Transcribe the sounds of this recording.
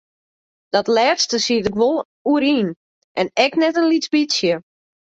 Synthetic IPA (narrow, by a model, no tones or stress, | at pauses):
d̥ɔtlɛːtstəsiətɪkʋolˠ | uəɾiːn | ʔɛnɛknɛtənlisbitsjə